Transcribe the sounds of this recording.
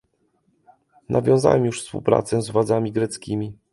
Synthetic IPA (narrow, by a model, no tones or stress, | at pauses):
nʔavʲjɔ̃w̃za̰wɛmjuʂfspṵwpɾa̰t̪sɛzvwad̪zamʲiɡɾɛt̪skʲimʲi